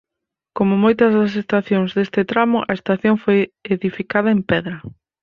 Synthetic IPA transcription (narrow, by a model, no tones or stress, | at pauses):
komʊmojt̪ɐzðɐs̬est̪aθjoŋzðest̪ɪt̪ɾamʊʔɐest̪aθjoŋfojeðifikað̞ɐempɛðɾɐ